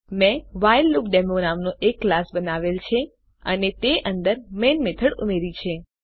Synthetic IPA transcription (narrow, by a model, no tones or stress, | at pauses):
mɛ̃ʋajlːukɖemonamnoʔekːlasbənaʋelt͡ʃʰe | ənet̪eʔənd̪əɾmenmet̪ʰəɽumeɾit͡ʃʰe